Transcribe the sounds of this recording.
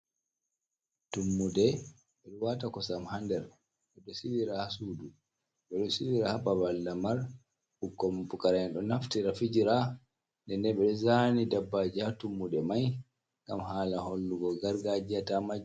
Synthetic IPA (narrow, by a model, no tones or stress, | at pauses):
tumːudɛ | ɓɛɾuwatakɔsamhandɛɾ | ɓɛɗɔsidiɾahasudu | ɓɛɗɔsiɗiɾahababalːamaɾ | ɓukːɔmpukaɾanɗɔnaftiɾafid͡ʒiɾa | ndɛndɛɓɛɗɔzanidabːad͡ʒatumːudɛmaj | ŋɡamhaːlaholːuɡɔɡaɾɡad͡ʒiatamad͡ʒ